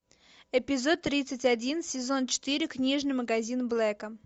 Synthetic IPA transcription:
ɪpʲɪzo̞t̪ːɾʲit̪sɨtʲɐdʲinsʲɪzo̞nt͡ɕɪ̥t̪ɨɾʲɪknʲiʐnɨjməɡɐzʲinblˠɛkə

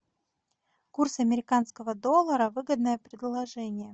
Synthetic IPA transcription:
kursɐmʲɪɾʲɪkanskəvəd̪o̞lˠːəɾəvɨɡəd̪nəjəpɾʲɪd̪lˠɐʐɛnʲɪjə

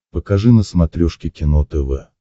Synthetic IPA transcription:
pəkaʐɨnəsmɐt̪ɾʲoʂkʲɪkʲɪnot̪ɛvɛ

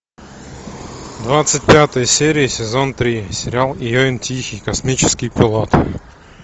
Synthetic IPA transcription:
d̪vat̪sɨtʲpʲat̪əjəsʲeɾʲɪɪsʲɪzont̪ɾʲisʲɪɾʲɪalˠɪjoɪntʲʰixʲɪjkɐsmʲit͡ɕɪ̥skʲɪjpʲɪlˠot̪

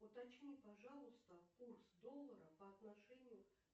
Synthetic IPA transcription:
ʊt̪ɐt͡ɕnʲipɐʐɑlˠʊst̪əkursd̪olˠːəɾəpəɐt̪nɐʂɛnʲɪjʊ

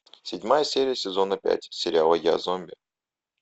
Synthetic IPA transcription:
sʲɪdʲmajəsʲeɾʲɪjəsʲɪzo̞nəpʲæ̰tʲsʲɪɾʲɪalˠəja̰zomʲbʲɪə

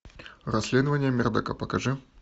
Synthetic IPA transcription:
ɾɐsʲlʲed̪əvənʲɪjəmʲɪrd̪ɐkapɐkɐʐɨ

